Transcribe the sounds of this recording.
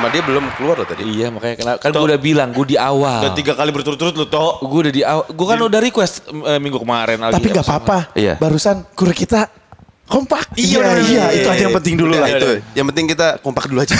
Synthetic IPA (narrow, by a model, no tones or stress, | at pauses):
madiabəlʊmkəluarlaht̪adiijamakaɲakənakanɡuaudabilaŋɡuadiawalat̪iɡakalibərt̪uɾʊt̪ːuɾʊt̪lʊt̪ɔɡuaudadiawaɡuakanudahrɾikwɛst̪əmiŋɡukəmaɾɛnalɡ̪t̪aipiŋɡapapaija̰baɾusankuɾɛkit̪a | kɔmpak̚iaijait̪uadajapənt̪ɪŋdululaid̪ujaŋpənɪŋkit̪akɔmpak̚duluad͡ʒa